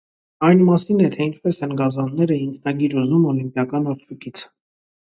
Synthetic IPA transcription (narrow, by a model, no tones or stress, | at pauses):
ɑjnmɑsinɛt̪ʰɛint͡ʃʰpɛsɛnɡɑzɑnːɛɾəiŋkʰnɑɡiɾuzumɔlimpjɑkɑnɔɾt͡ʃʰukit͡sʰ